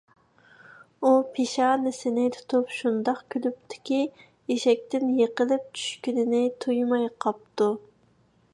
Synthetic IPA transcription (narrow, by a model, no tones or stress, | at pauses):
upʰeʃɑnɪsɪnɪt̪ʰu̥t̪ʰupʃund̪ɑqkʲʰylyp̚t̪ʰɪ̥kʲi | eʃɛk̚ʲt̪ɪnjeqəlɪp̚t͡ʃʰy̥ʃkʲynɪnɪt̪ʰujmɑjqʰɑp̚t̪u